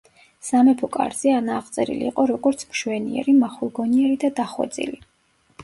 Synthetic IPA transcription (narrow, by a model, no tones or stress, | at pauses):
samɛpʰɔkʼa̰ɾz̥ianaːʁt̪sʼɛɾḭlḭːqʼɔɾɔɡɔɾt̪sʰmʃwɛnḭɛ̰ɾimaχulˠɡɔniɛɾid̪ad̪aχwɛ̰d̪zʼḭli